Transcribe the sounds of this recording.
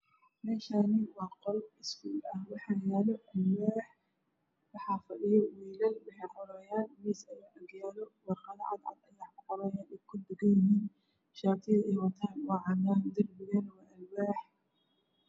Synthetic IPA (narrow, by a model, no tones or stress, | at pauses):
mɛːʃaːnɪwɑːqɔlɪsfuːlɐhwɑħɑjaːlɔʔɐlwaːħ | wɑħɑːfɐɗɪjɔwiːlɐlwɪħɛjqʊɾɛjaːnmɛsɐjaːʔɐɡjaːlɔwɑɾqɑðɐʕɑ̰d̪ʕɑ̰d̪ɐjaːkʊħɔɾɐːjaːnɛjkʰʊd̪ɪɣɐjɪɦiːn | ʃaːb̚t̪ʰɪðɐɛjwɐt̪ʰaːnwɑːʕɑnaːnd̪ɐrbɪɣɐnwaːʔɐlwaːħ